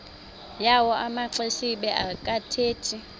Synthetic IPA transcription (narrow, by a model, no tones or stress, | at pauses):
jawɔʔamaǀesiɓɛʔakʼatʰeːtʰi